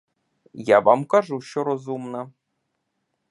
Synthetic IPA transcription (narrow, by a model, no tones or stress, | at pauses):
jɑʋɑmkɑʐuɕŏɾozumnɤ̆